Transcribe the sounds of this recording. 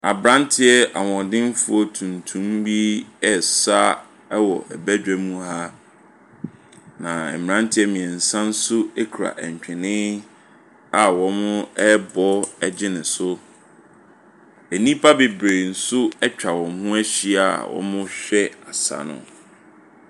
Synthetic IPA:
a˨bɾã˦n˦tʰɪ˦ɛ˦ʔa̰˨wɔ̃˨dɪ̃˦n˦fʊ˦ɔ˦tʰũ˨ntʰũ˦mbi˦ɛ˦˨sa˦ | ɛ˦wɔ̰˨ʔɛ̰˨bæ˦d͡ʑᶣɛ˨mũ˦ha˦ | nã˨ɛ̰˨m˨ã˦n˦tʰɪ˦ɛ˦mĩ˨ɛ̃˨n̩˨sã˦n̩˦sʊ˦ɛ˦kʰɾa̰˨ʔɛ˨ɲ˨t͡ɕᶣɛ̃˨nɪ̃˦ | a˨wɔ̃˨mʊ̃˦ɛ˦bɔ˦ɛ˨d͡ʑɪ˦nɪ̃˨sʊ˦ | e˨nĩ˦pʰa˦bɪ˨bɾe˨n̩˨sʊ˦ɛ˦t͡ɕᶣa˨wɔ̃˨mhʊ̃˦æ˦ɕi˦a̰˨wɔ̰̃˨˦mʊ̃˦ɕᶣɛ˦a˨sa̰˨nʊ̰̃˨

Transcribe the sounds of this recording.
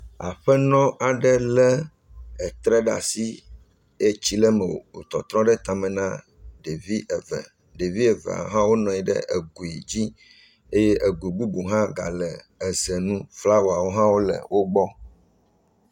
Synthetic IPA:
a̰˨ɸɛ˦nɔ̃˦a˨ɖɛ˦lɛ˦ | ɛ˨t̪ɾɛ˦ɖa̰˨si˦ | e˦t͡ɕi˦lɛ˦mɛ˨wo̰˨wo˨t̪ɔ˨t̪ɾɔ̃˦ɖɛ˦t̪a˨mɛ̃˨nã˦ | ɖe˨vi˦ʔɛ˨vɛ̰˨ | ɖe˨vi˦e˨vḛ˨a̰˨ɦã˦wo˦nɔ̃˨i˨ɖɛ̰˦ʔe˨ɡu˨i˨d͡ʑi˦ | e˦je˦ʔe˨ɡu˨i˨ɡ͡bu˦bu˨ɦã˦ɡa̰˨lɛ˨ | ə˨zɛ˨nũ˦fla˦wo˨a˨wo˦ɦã˦wo˦lə̰˨wʔo˦ɡ͡bɔ˦

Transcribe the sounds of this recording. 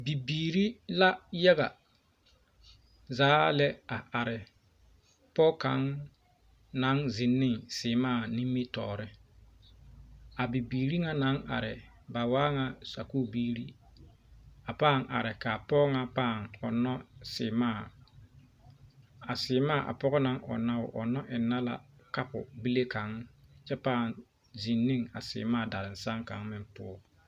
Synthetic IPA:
bi˨biː˨ɾi˦la˦ja˦ɣa˨ | zaː˨˦lɛ˦a˨ʔa˨ɾɪ˨ | pɔ˦ka̰˦ŋ | na˨˦ŋzɪ˨nːɪ˦˨ŋsɪː˨maː˦˨ni˦mːi˦tɔ̰ː˨ɾɪ˦ | a˨bi˨biː˨ɾi˦ŋa˦na˨˦ŋa̰˨ɾɪ˨ | ba˨waː˦ŋa˦sa˨ku˦biː˦ɾi˦ | a˨paː˦˨ŋa̰˨ɾɪ˨ka˨pɔ˦ŋa˦paː˦˨ŋɔ˨nɔ˦sɪ˨maː˦˨ | a˨sɪː˨maː˦˨ʔa̰˨pɔ˦ɣɔ˦na˦ŋɔ̰˨na˦wʊ̰˨ʔɔ˨nɔ˦ʔɪ˨nːa˦la̰˨ka˦pʊ̰˨bi˦le˦ka˨˦ŋt͡ʃɛ˦paː˦˨n | zi˨nːɪ˦ŋa˨sɪ̰ː˨maː˦˨da˨ɾɪ˨n̩sa˦ŋka̰˨˦ŋmɪ˦mpʊ˦˨

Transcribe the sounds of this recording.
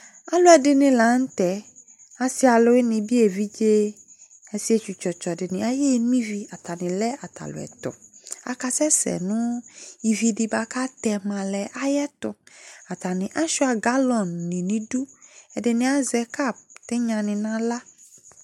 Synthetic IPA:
a˦lʊ˦ɛ˨dɪ˨nɪ̃˨la˨˦n̩˦t̪ɛ˨˦ | a˦si˦a˨lʊ˦ɪ˦nɪ̃˨bi˦e˨vi˦d͡ʒe˦ | ɛ˨si˦e˦t͡ʃu˨t͡ʃɔ˨t͡ʃɔ˨dɪ˨nɪ̃˨a˦jɛ˦n˦ĩ˦vi˦a˨t̪a˨nɪ̃˨lɛ˦a˨t̪a̰˨lʊ̰˨ɛ̰˨t̪ʊ̰˨a̰˨ka˦sɛ˦sɛ̰˨nʊ̃˦i˨vi˨di˨ba˨ka˦t̪ɛ˨mã˨lɛ˨ʔa˦jɛ˦t̪ʊ˨a˨t̪a˨nɪ̃˨ʔa˦ʃʊ˦a˨ɡa˦lɔ˨nːĩ˨nĩ˨du˦ɛ˨dɪ˨nɪ̃˨a˦zɛ˨˦ka˦˨b̚t̪ɪ˦ɲã˨nɪ̃˨nã˦la˦

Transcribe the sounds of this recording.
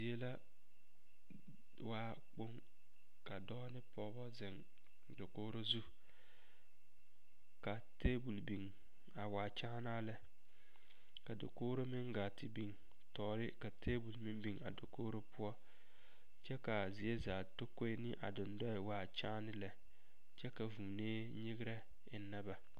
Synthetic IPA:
zi˨e˦la˦ | waː˦ | k͡po˦ŋ | ka˨dɔː˦nɪ˦pɔ˨˦bɔ˦zɪ˨ŋ | do˨koː˦ɾo˦zu˦ | ka˨teː˦bu˨lbi˨ŋ | a˨waː˨t͡ʃa˦naː˦lɛ˦ | ka˨do̰˨koː˦ɾo˦mɪ˦ŋɡaː˨tɪ˨bi˨ŋ | tɔː˨ɾɪ˦ka˨tʰeː˦bu˨lmɪ˦mbi˨ŋa̰˨do˨koː˦ɾo˦pʊ˦ɔ˦ | t͡ʃɛ˦ka˨zɪ˨e˦zaː˨to˦ko˦nɪ˦ʔa̰˨dʊ˨ndɔ˦ɪ˨waː˨t͡ʃaː˦nɪ˦lɛ˨ | t͡ʃɛ˦ka˨vu˨neː˦ | ɲi˦ɡɪ˦ɾɛ˦ | ɪ˦nːa˦ba˨

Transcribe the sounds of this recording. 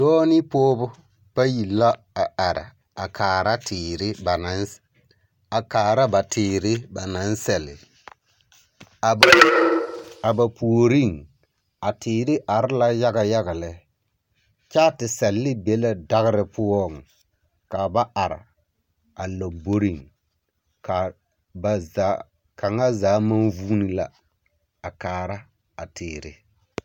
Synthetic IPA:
dɔː˦ni˦poː˦bʊ˦ | b̥a˦ji˨lːa˦ | a˨a˨ɾa̰˨ | a˨kʰaː˨ɾa˦tʰɪː˨ɾɪ˦ba˨na˨˦n | a˨kaː˨ɾa˦ba˨tɪː˨ɾɪ˦ba˨na˨˦n˦sɛ˨lɪ˨ | a˨ | a˨ba˨pu˨o˨ɾi˦˨ŋ | a˨tiː˨ɾɪ˦ʔa˨ɾla˦ja˦ɡa˨ja˦ɡa˨lɛ˨ | t͡ʃaː˦tɪ˨sɛ˨lːɪ˦bɛ˨˦la˦da˦ɣɪ˦ɾɪ˨pʊ˦ɔ˦˨ŋ˨ | ka˨ba˦ʔa˨ɾɪ̰˨ | a˨lo˨bo˦ɾi˦˨ŋ | ka˨ | ba˨za˨˦ | kʰa˨ŋa˦zaː˨˦ma˦nvuː˦ni˦la̰˨ | a˨kaː˨ɾa˦ | a˨tɪː˨ɾɪ̰˦

